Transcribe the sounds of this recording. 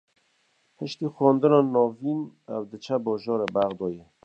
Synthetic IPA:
həʃt̪ixwɔːnd̪ənɑnɑːviːnɛwd̪ət͡ʃʰɛbɔːʒɔːɾebæɣd̪ɔːjɛ

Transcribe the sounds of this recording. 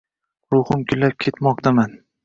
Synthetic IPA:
ɾʊχʊmkʲʰʊlːap̚kʲʰe̞t̪mɒq̚t̪ʰaman

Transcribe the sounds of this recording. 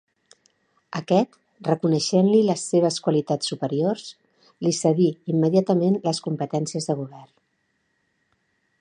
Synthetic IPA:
əkɛt̪ | rəkunəʃenliləsːeβ̞əskwəlit̪at͡sːupəɾiors | lisəɣiimːəðiat̪əmenləskumpət̪ɛnsiəzðəɣ̞uβ̞ɛr

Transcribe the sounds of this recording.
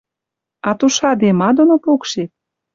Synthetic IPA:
ɑt̪uʃɑd̪emɑd̪onopokʃet̪̚

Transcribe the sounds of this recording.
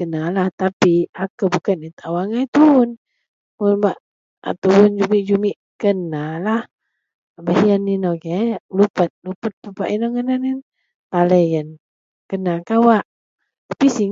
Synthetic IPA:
kənalaht̪apiakubukanit̪awaŋajt̪uun | munbaʔ | a̰t̪uʊnd͡ʒumiʔd͡ʒumiʔ | kənalah | bahənːinokelupət̪̚lupət̪̚pupaʔinaŋənanin | t̪aləjən | kənakawaʔ | t̪ḁpisi

